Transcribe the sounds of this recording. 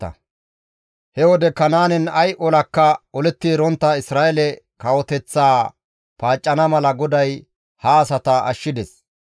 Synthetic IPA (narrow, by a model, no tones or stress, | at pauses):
ɐ̰ | hɛwɔd̪ɛkɐnaːnɛnɐjʔɔlɐkːɐɔlɛt̪ːiːɾɔnt̪ːɐɪsɾaːʔɛlɛkɐwɔt̪ɛt͡sːaː | paːt͡ʃʼːɐnɐmɐlɐɡɔd̪ɐj | hɐːsɐt̪ɐʔɐʃːɪd̪ɛs